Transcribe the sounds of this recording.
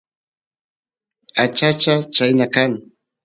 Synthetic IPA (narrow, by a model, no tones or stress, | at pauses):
at͡ʃat͡ʃat͡ʃajnakaŋ